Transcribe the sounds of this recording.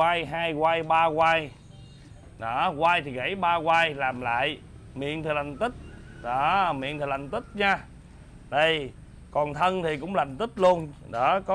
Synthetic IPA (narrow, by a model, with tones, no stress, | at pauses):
aː˧jɦaː˧jɣwaː˧jɓaː˧ɣwaː˧j | ɗɔ˨˦ɣwaː˧jt̪ʰi˨˩ɣə̰˧˩˦jɓaː˧ɣwaː˧jlaː˨˩mla̰ː˧˨j | mḭ˧˨ənt̪ʰi˨˩la˨˩ŋ̟t̪ï˦˥t̚ɗɔ˨˦mḭ˧˨ənt̪i˨˩la˨˩ŋ̟t̪ï˦˥t̚ɲaː˧ | ɗə˧˩j | kɔ˨˩nt̪ʰə˧nt̪ʰi˨˩kʊ̰˧˥ŋ͡mla˨˩ŋ̟t̪ï˦˥t̚lu˧ənɗɔ˨˦kɔ˨˦